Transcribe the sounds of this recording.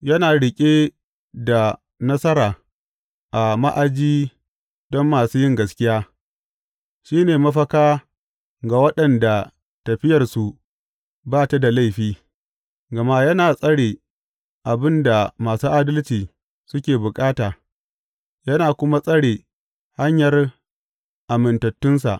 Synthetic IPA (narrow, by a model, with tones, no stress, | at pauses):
jɐ˦naː˨ɽɪ˨kʲʼeː˦ | da˨ | nɐ˦sɐ˦ɾaː˨ | ʔa˨ma̰˦ʔa˨d͡ʒiː˦ | dɔ˦mːaː˨suː˦jɪ˦ŋɡɐ˨skʲɪ˦jaː˦ | ʃiː˦neː˨mɐ˦ɸɐ˦kaː˦ | ɡa˨wɐ˦ɗɐ˨nda˨ | tɐ˨ɸɪ˦jɐ˨rsu˨ | baː˦˨ta˦da˨la˦˨jɸiː˦ | ɡɐ˨ma˦jɐ˦naː˨sʼɐ˦ɽeː˨ | ʔa˨bɪ˦nda˨maː˨suː˦ʔa˦dɐ˦lt͡ʃiː˨ | sʊ˦kʲeː˨bʊ˨kʼaː˦taː˨ | jɐ˦naː˨kʷʊ˦ma˦sʼɐ˦ɽeː˨ | ha˦ɲjɐ˨r | ʔa˨mɪ˨ntɐ˨tːʊ˦nsa̰˨ʔ